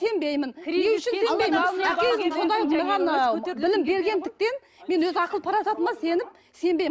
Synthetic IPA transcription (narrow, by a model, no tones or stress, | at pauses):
e̞mbe̞jmɪnewʏʃɪnemejmɪkʰʲe̞zd̪ɪso̞nd̪ɑjʁɑnbɪlɪmbe̞ɾɡʲe̞nd̪ɪk̚t̪e̞n | me̞nwɵzɪɑqəlˠəpʰɑɾɑsɑt̪əmɑse̞nɪp̚ | se̞mbej